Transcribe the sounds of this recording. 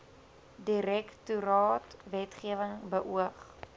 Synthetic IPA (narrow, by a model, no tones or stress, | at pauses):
diɾɛktuɾɑːtvɛtχiəvəŋbəʔuəχ